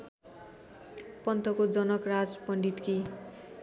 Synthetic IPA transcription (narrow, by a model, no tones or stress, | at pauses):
pʌnt̪ʌkod͡zʌnʌkrad͡zpʌɳɖit̪kʰi